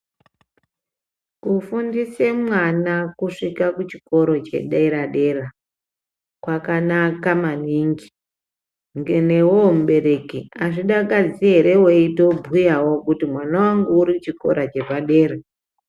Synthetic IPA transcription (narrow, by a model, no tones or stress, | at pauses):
kufundisemwanakuʂikakut͡ʃiko̞ɾo̞t͡ʃe̞̰ɗaiɾaɗe̞ra | kwakanakamaniŋɡi̥ | ŋɡe̞newomuɓe̞ɾe̞kiaʐiɗakad͡ziɦeɾe̞woitobʱujawo̞kutimwanawaŋɡuuɾit͡ʃiko̞̰ɾʔat͡ʃe̞ʐaɗe̞ːɾe